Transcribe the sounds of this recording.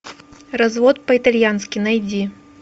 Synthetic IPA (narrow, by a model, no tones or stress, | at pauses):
razvɔt̪̚pɐit̪alʲjanskʲinajd͡zʲi